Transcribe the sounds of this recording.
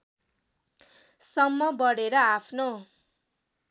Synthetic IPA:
sʌmːʌbʌɽeɾʌapʰno

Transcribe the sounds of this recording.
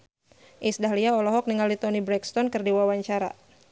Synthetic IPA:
ʔisdaɦliaɔlɔɦɔk̚niŋalit̪ɔnibɾɛkst̪ɔnkərdiwawaɲt͡ʃaɾa̰

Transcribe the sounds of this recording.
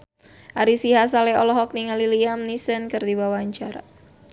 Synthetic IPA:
ʔaɾisiɦas̬alɛɔlɔɦɔk̚niŋaliliamnisənkərdiwawaɲt͡ʃaɾa̰

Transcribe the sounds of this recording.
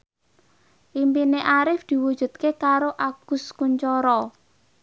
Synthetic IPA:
ʔimpineʔaɾɪfd̪̥i̤wu̥ʒ̥ṳt̪̚kekaɾoʔaɡ̥ʊ̤skuɲt͡ʃɔɾɔ

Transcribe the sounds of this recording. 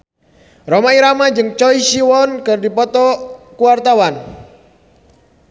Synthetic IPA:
rɔmaiɾamad͡ʒɨŋt͡ʃɔisiwɔnkɨrdipɔt̪ɔkuwart̪awan

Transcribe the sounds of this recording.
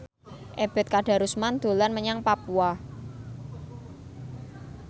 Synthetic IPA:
ʔeb̥ɛ̤t̪̚kaɖ̥a̤ɾusmand̪̥o̤lanməɲaŋpapua

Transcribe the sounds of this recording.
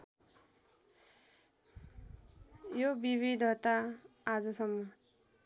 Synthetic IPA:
jobiβid̪ʱʌt̪aad͡zʌsʌmːʌ

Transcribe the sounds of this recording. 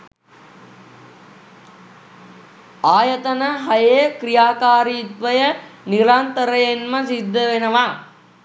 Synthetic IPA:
aːjət̪ənəɦajejkrijaːkaːɾiːt̪ʋəjəniɾant̪əɾəjenməsid̪ːəʋenəʋa

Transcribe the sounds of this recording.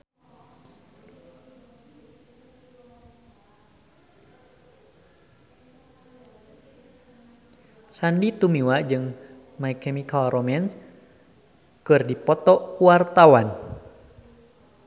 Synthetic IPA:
sandit̪umiwad͡ʒɨŋ | maikɛmikalrɔmɛns | kɨrdipɔt̪ɔʔkuart̪awan

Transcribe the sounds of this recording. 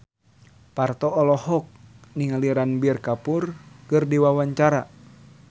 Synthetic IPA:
part̪ɔɔlɔhɔk̚niŋaliɾanbiɛrkapurkɨrdiwawaɲt͡ʃaɾa

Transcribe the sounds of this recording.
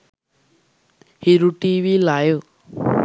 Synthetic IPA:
hiɾuʈiʋilajo

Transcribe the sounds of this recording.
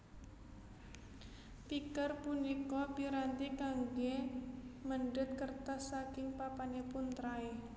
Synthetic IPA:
t̪ikərpunikɔpiɾant̪ikaŋɡe | məɳɖʊt̪̚kərt̪asakɪŋpapanepʊnt̪ɾae

